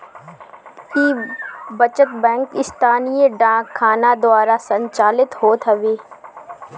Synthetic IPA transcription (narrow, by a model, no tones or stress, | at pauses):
kibət͡ʃət̪bɛ̃ːŋkɪst̪ʰaːnijeɖãːkʰːaːnad̪waːɾasɐ̃ɲt͡ʃaːlɪt̪ɦoːt̪ɦɐʋeː